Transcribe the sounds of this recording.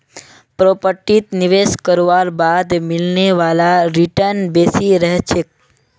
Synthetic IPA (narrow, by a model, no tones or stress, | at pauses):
pɾopəʈit̪nɪʋeskəɾʋaɾbad̪mɪlneʋalaɾiʈəɾnbesiɾəɦt͡ʃʰe